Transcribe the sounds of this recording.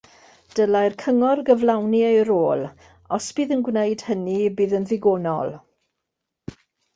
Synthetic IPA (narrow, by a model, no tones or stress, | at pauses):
d̥əlajrkʰəŋɔrɡəvlawniejɾoːlˠ | ɔsb̥iːðənɡwnejd̥hənibiːðənðɪɡoːnɔ̰lˠ